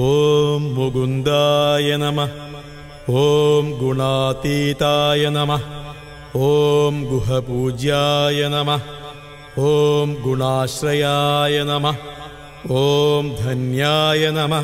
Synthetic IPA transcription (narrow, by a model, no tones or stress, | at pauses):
oːmːuɡund̪aːjɐnɐmɐ | oːmɡuɳaːt̪iːt̪aːjɐnɐmɐ | oːmɡuɦɐpuːd͡ʒjaːjɐnɐmɐ | oːmɡuɳaːʃɾɐjaːjɐnɐmɐ | oːmd̪ʱɐnjaːjɐnɐmɐ